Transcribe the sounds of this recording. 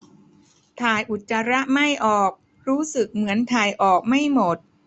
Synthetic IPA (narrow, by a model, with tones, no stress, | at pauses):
t̪ʰaː˨˩jʔu˨˩t̪̚t͡ɕa˧ɾa˦˥ʔma˥˩jʔɔː˨˩k̚ | ɾuː˦˥sɯ˨˩k̚mɯ˩˦ənt̪ʰaː˨˩jʔɔː˨˩k̚ma˥˩jmo˨˩t̪̚